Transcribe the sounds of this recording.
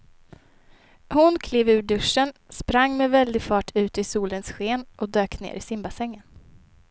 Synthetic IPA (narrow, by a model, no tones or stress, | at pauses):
hʊnkʰleːvʉ̟ːɖɵʂənspɾaŋːmɛvɛld̪ɪɡfɑːʈʰʉ̟ːt̪ɪsuːlənsɧeːnʔɔd̪øːknḛːɾʔɪsɪmbasɛŋːən